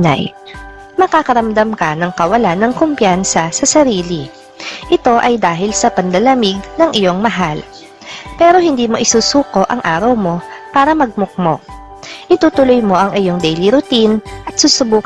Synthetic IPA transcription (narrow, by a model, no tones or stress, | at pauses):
a̰j | mɐkaːkɐɾɐmd̪amkɐnɐŋkɐwɐlanːɐŋkompjansɐsɐsɐɾiːli | ʔɪt̪o̞ʔɐjd̪aːɦɪlsɐpɐnd̪lɐlɐmɪɡ̚nɐŋʔɪjo̞ŋmɐɦal | pɛːɾo̞hɪnd̪iːmo̞ʔɪsuːsuːko̞ʔɐŋʔaːɾɐwmo̞paːɾɐmɐɡ̚mʊk̚mo̞̰ | ʔɪt̪uːt̪ʊlojmo̞ʔɐŋɪjo̞ŋd̪ɛjliɾʊt̪inʔɐt̪̚suːsʊbuːk